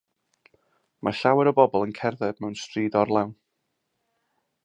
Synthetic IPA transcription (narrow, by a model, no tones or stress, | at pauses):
maɬawɛɾəbɔbɔlˠənkʰɛrðɛb̚mɛwnstriːdɔrlˠɛwn